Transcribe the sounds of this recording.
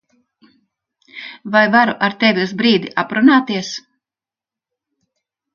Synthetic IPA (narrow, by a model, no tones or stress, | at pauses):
vajvaɾuʔaɾt̪ɛvʲiuzbɾiːd̪iʔapɾunaːt̪iɛs